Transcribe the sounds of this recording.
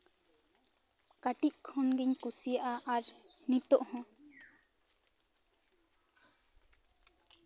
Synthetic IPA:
kaʈic̚kʰɔnɡiɲkusijaʔaʔaɾnit̪ɔʔhɔ̃

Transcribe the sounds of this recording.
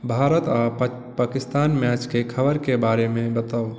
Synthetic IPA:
bʱaɾət̪a | pakist̪anmjat͡ʃkekʰəbəɾkebaɾemebət̪əw

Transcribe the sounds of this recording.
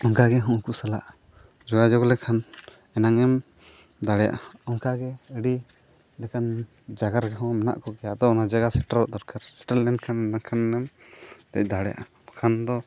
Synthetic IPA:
ɔŋkaɡɛɦɔ̃ʔkusalaʔ | d͡ʒɔɡad͡ʒɔklɛkʰan | ɛnaŋɛm | d̪aɽɛja̰ʔaɔŋkaɡɛəɽi | lɛkan | d͡ʒaɡaɾɡɛɦɔ̃mɛna̰ʔkɔkɛjaʔd̪ɔɔnad͡ʒaɡasɛʈalɔʔd̪ɔɾkaɾsɛ̥ʈalːɛnkʰanɛnakʰanːɛm | t̪ɛc̚ˀd̪aɽɛja̰ʔakʰand̪ɔ

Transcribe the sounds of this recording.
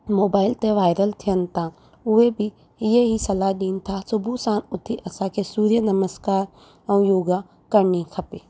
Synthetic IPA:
moːbaːɪlt̪eʋaːɪɾəlt̪ʰijən̆t̪ʰã | ʊebʱi | jeɦisɐlaɗiːnt̪ʰasʊbʱusãːnʊt̪ʰiʔɐsãkʰesuːɾjənɐməskaːɾ | ɐ̃ũjoːɡa | kɐɾnikʰɐpeː

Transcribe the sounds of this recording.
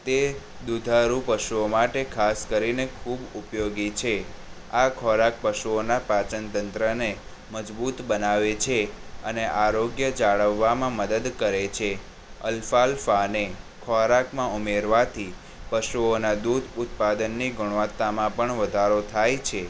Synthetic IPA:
t̪e | d̪ud̪ʱaɾũpəʃuomaʈekʰaskəɾinekʰubupjoɡit͡ʃʰe | akʰɔɾak̚pəʃuonapat͡ʃənt̪ənt̪ɾəne | məd͡ʒbut̪bənaʋet͡ʃʰeə̰neʔaɾoɡjəd͡ʒaɭəʋːamãməd̪əd̪kəɾet͡ʃʰe | ə̰lfalfanekʰɔɾakmãumeɾʋat̪ʰi | pəʃuonad̪ud̪ʱʊt̪̚pad̪ənːiɡuɽ̃ʋət̪ːamãpəɳʋəd̪ʱaɾot̪ʰajt͡ʃʰe

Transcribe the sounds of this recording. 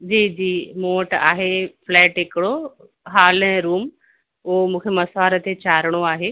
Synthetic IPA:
d͡ʑiːd͡ʑiːmõːʈa̰ːɦeflɛːʈɦɪkɪɽo | ɦaːlɛ̃ɾuːm | ʊɦomũːkʰemɐsaːɾət̪ʰet͡ɕaːɾəɽ̃oaːɦeː

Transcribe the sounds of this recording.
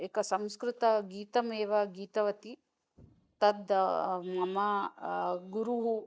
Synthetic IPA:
eːkɐsɐmskɾɪt̪ɐɡiːt̪ɐmeːʋɐɡiːt̪ɐʋɐt̪i | t̪ɐd̪mɐmɐ | ɡuɾuɦu

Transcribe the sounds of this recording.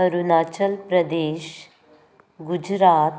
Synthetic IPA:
əɾunaːt͡ʃəlpɾəd̪eːʃ | ɡud͡ʑɾaːt̪

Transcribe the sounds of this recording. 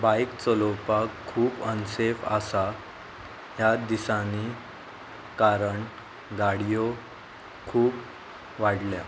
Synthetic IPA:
bajkt͡sɔlɔpakʰːuːpənsefa̰sa | ɦjad̪isani | kaɾəɳ | ɡaɽijo | kʰuːp | ʋaɽlja

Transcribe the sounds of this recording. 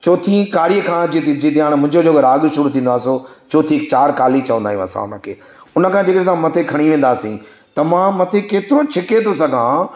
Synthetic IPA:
t͡ɕoːt̪ʰĩkaːɾijəkʰãːd͡ʑit̪d͡ʑit̪aːɽ̃mʊ̃ɦɪ̃ɲd͡ʑooːɡʱɐɾaːɠɪɾsʊɾut̪ʰĩːnd̪aːsot͡ɕoːt̪ʰikt͡ɕaːɽkaːlit͡ɕɐʋə̃nd̪aːjũɐ̰sã̰ʊ̰nə̆kʰḛː | ʊnə̆kʰãːd͡ʑeːkəesãmɐt̪ʰekʰɐɽ̃iʋẽːn̆d̪aːsḭ̃t̪ɐmãmɐt̪ʰekeːt̪ɪɾot͡ɕʰɪket̪ʰosɐɡʱã

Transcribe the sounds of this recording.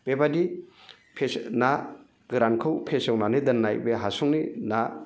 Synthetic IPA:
b̥ebadi | pʰesna | ɡɯɾankʰɯwpʰesewnanedɐnːajbeɦasuŋnina

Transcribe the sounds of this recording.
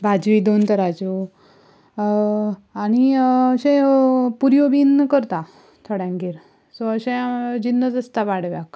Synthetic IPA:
bʱad͡zʋid̪ont̪əɾad͡ʑu | añiəɕẽpuɾjobinkəɾt̪a | t̪ʰoɽjãŋɡiɾ | soəɕẽd͡ʑinːəd͡zəst̪aʋaɽ̤ʋjak

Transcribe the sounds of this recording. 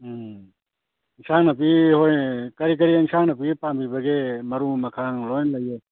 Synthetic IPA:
ŋsʰaŋnɐpihojkɐɾik̬ɐɾiaŋsaŋnɐpiɡpambibɐɡemɐɾumɐkʰaŋlɔjnlɐjɔ

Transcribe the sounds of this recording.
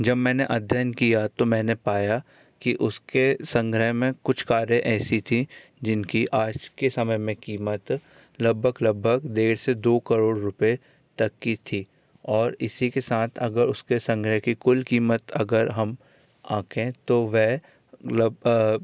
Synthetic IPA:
d͡ʒɐbmɛ̃ːneʔɐd̪ʱjənkijat̪omɛ̃ːnepaːja | kiʔʊskesɐ̃ŋɡɾəɦmẽkʊt͡ʃʰkaːɾẽʔɛːsit̪ʰĩd͡ʒɪnkiʔaːd͡ʒkesɐməjmẽkiːmət̪ | lɐbʱːəɡlɐbʱːəɡd̪eːɾsed̪oːkəɾoːɽɾʊpe | t̪ɐkːit̪ʰi | ɔːɾɪsikesaːt̪ʰɐɡəɾʊskesɐ̃ŋɡɾəɦkikʊlkiːmət̪ɐɡəɾɦɐm | ã̰ːkʰẽt̪oʋɛː | lb

